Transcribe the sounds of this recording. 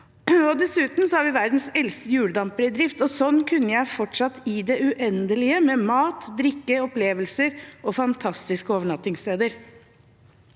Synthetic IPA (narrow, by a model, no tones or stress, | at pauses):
ɔd̪ɛsʉːt̪n̩sɔhɑɾʋɪʋæɾd̪n̩sɛlst̪əjʉːɽd̪ɑmpəɾəd̪ɾɪft̪ɔsɔnːkʰʉnːəjæɪfɔʈʂɑt̪ːɪd̪ɛʉʔɛnd̪əlɪəmɛmɑːt̪d̪ɾɪkːəɔpleːʋəlsəɾɔfɑnt̪ʰɑst̪ɪskəoːʋəɳɑt̪ːɪŋst̪eːd̪əɾ